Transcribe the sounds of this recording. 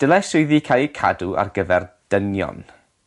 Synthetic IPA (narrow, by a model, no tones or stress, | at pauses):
d̥əlˠɛsʊɨðiːkʰakʰadua̰rɡəvɛrd̥ənjɔ̰n